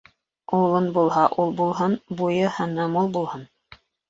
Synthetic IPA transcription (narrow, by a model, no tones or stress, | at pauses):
owlˠɤnbulˠhɑʔulˠbulˠɦɤnbujɤhænɤmulˠbulˠhɤn